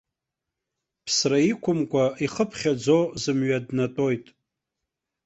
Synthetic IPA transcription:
pʰsraikʷʰʊmkʷʼaiχəpʰχʲad͡zozɨmɥadnatʼo̞jtʼ

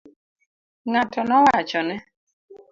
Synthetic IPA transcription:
ŋatɔnɔwat͡ʃɔnɛ

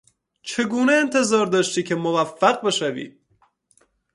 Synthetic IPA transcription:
t͡ʃʰe̞ɡuːneːnt̪ʰe̞zɒːɾd̪ɒːʃt̪iːcʰe̞movæfːæɣbe̞ʃævḭː

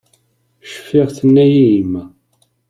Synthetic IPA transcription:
ʃə̥fːɪʁθənːæjiimːæ

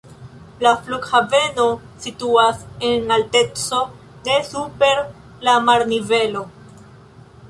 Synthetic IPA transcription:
lafluɡhave̞no̞ | situase̞nalte̞t͡so̞ | ne̞supe̞ɾ | lamaɾnive̞lo̞

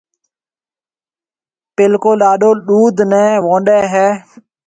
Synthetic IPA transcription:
pɪlkoːɗaːɗoːɗuːd̪ʱnɛ̃ːʋõːɳɗɛːɦɛː

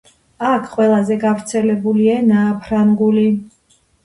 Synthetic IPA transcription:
akʰqʼwɛlˠazɛɡavɾt̪sʰɛlɛbulianaːpʰɾaŋɡuli

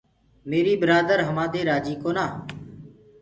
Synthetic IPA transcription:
meːɾiːbɪɾaːd̪əɾɦəmãːd̪eːɾaːd͡ʒiːkoːnaː

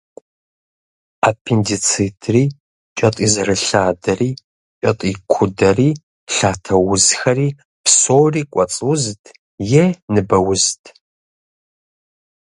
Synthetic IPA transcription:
apʰendit͡sʰitʰriː | t͡ʃʼɐtʼiːzɐrɐɬaːdɐriː | t͡ʃʼɐtʼiːkʷʰʊdɐriː | ɬaːtʰɐwʊzxɐriː | psoːriːkʷʼɔt͡sʼwztʰ | jɛnɨbɐwʊztʰ

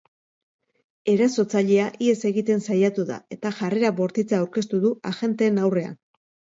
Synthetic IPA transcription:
e̞ɾaso̞t͡saʎeaʔie̞se̞ɣit̪e̞nsajat̪uða̰e̞t̪aʝare̞ɾaβo̞ɾt̪it͡saawɾke̞st̪uðuaʝe̞nt̪e̞ːnawre̞a̰n

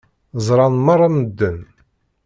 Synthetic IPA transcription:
zˤɾˤɑnmɑrˤːɑməd̪ːən

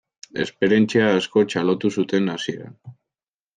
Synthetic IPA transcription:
e̞spe̞ɾje̞nt͡siaːsko̞t͡ʃalo̞t̪usut̪e̞nasie̞ɾa̰n

